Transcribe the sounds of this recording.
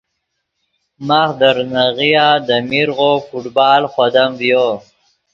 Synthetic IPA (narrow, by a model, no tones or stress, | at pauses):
maxd̪əɾnaɣijaːd̪əmiɾɣofuʈbɑːlxwad̪amvjo